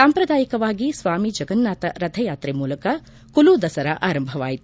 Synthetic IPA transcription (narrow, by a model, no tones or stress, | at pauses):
saːmpɾɐd̪aːjikɐʋaːɡisʋaːmid͡ʒɐɡɐnːaːt̪ɐɾɐt̪ʰɐjaːt̪ɾemuːlɐkɐ | kulud̪ɐsɐɾɐʔaːɾɐmbʱɐʋa̰ːjit̪u